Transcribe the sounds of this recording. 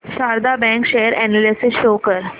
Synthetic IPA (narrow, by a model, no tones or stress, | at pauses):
saɾd̪abɛ̃ŋkɕejəɾɛnalisisʃokəɾ